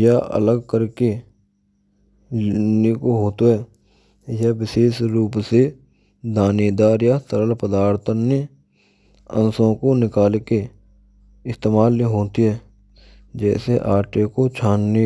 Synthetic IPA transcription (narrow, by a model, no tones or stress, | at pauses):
jaə̰ləɡkəɾke | nikoɦoːt̪oɦɛː | jəbɪseːʃɾuːpse | d̪aːnid̪aːɾjat̪əɾəlpəd̪aːɾt̪ʰəne | ə̰̃nsõkonɪkaːlke | ɪst̪eːmaːlːeɦoːt̪iɦɛː | d͡ʒɛːseʔaːɾʈekot͡ʃʰaːnːi